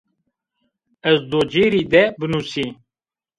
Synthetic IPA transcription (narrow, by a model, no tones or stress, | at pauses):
ɛzd̪oːd͡ʒeːɾiːd̪ɛbɨnuːsiː